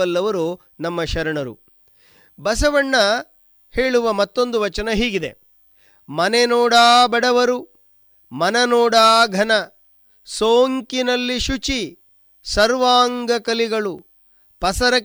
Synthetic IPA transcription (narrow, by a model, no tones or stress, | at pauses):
ɐlːɐʋɐɾu | nɐmːɐʃɐɾɐɳɐɾṵ | bɐsɐʋɐɳːɐ | he̞ːɭuʋɐmɐt̪ːo̞nd̪uʋɐt͡ʃɐnɐɦiːɡid̪e̞̰ | mɐnenɔːɽaːbɐɽɐʋɐɾu | mɐnɐnɔːɽaːɡʱɐnɐ | soːŋkinɐlːiʃut͡ʃi | sɐɾʋaːŋɡɐkɐliɡɐɭu | pɐsɐɾɐ